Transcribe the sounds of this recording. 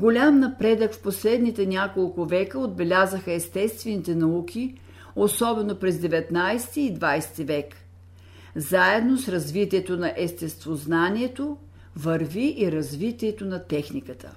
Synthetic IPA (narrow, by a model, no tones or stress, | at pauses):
ɡolʲamnɐpɾɛd̪əkfposlɛd̪nit̪ɛnʲakolˠkʊvɛkəod̪̚bɛlʲazəxəɛst̪ɛst̪vɛnit̪ɛnɐukʰʲi | osɔbɛnopɾɛzd̪ɛvɛt̪najst̪iːd̪vajst̪ivɛk | zaɛd̪nosɾɐzvit̪iɛt̪onɐʔɛst̪ɛst̪voznaniɛt̪o | vəɾviʔiɾɐzvit̪iɛt̪onɐt̪ɛxnikət̪ʰə̰